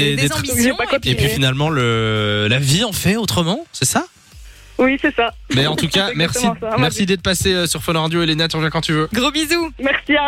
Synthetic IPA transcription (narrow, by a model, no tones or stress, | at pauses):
ed̪eaepɥifinalmɑ̃ləlaviɑ̃fɛot̪χəmɑ̃sɛsa | wisɛsa | bɛɑ̃t̪ukamɛʁsĩmmɛʁsid̪ɛt̪əpaseøsyʁfɔñʁad̪joelenat̪yʁəvjɛ̃kɑ̃t̪yvøɡʁobizumɛʁsia